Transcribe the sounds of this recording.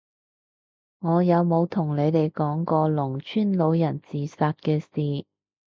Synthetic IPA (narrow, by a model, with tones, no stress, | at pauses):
ŋɔː˨˧jɐ˨˧wmo˨˧wt̪ʰʊ˨˩ŋle˨˧jt̪e˨jkɔː˨˥ŋkɔː˧lʊ˨˩ŋt͡ʃʰyː˥nlo˨˧˥wjɐ˨˩nt͡siː˨saː˧t̚kɛː˧siː˨